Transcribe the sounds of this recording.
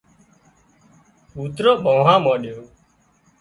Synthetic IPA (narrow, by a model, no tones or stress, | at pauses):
uːt̪ɾoɓoːɦãːmaːɗjoː